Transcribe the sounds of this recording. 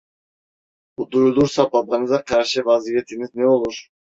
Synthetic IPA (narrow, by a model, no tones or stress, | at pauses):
ud̪uɾulˠuɾsɑbɑbɑnɯzɑqʰɑɾʃɯvɑzijet̪ʰinizneolˠuɾ